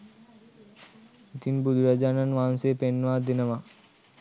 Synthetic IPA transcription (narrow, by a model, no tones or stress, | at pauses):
it̪inbud̪ʋad͡ʒanɐnʋaːnsepenːʋad̪inɐma